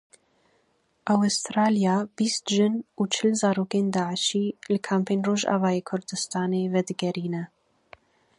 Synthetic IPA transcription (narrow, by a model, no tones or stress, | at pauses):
ʔawst̪ɾɑːlijɑːbiːst̪ʒɨnuːt͡ʃʰɨlzɑːɾoːkeːnd̪ɑːʕəʃiːlɨkʰaːmpʰeːnroːʒɑ̰ːvɑːjeːkʰʊɾd̪ɨst̪ɑːneːvɛd̪ɨɡɛɾiːnɛ